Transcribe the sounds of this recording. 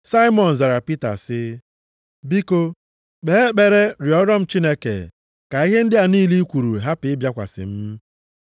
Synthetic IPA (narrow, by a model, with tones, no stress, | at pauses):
sa˦i˦mɔ˨n̩˨za˨ɾa˨pi˦ta̰˨sɪ˦ | bi˦ko˦ | ɡ͡be˨˦k͡pe˨ɾe˦ɾjɔ˦ɾɔ˦m̩˦t͡ʃi˦ne˦kḛ˨ | ka˨i˦ɦe˦n̩˦dɪ˦a˨niː˦li˦kʷu˨ɾu˨ɦa˦pɪ˨˦ɪ˦bja˦kʷa̰˨sɪ̰˨m̩˦